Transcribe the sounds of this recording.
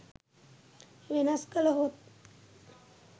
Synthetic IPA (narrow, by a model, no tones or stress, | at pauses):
ʋenaskələɦot̪̚